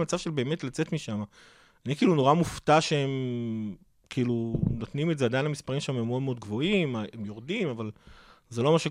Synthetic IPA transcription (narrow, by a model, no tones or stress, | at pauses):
mat͡savʃelbe̞ːmetlat͡setmiʃama | anikiiːluno̞ʁamuft̪aʃeem | kʰiilunot̪nimetzead̪ajnhamispaʁimʃeememeo̞d̪meo̞d̪ɡvo̞imemjo̞ʁdimavalzelo̞maʃe